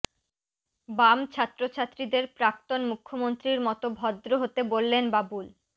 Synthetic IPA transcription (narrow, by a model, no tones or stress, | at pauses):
bamt͡ɕʰat̪ːɾot͡ɕʰat̪ːɾid̪eɾpɾakt̪onmukʰːomont̪ɾiɾmɔt̪obʱɔd̪ːɾoɦot̪ebolːenbabul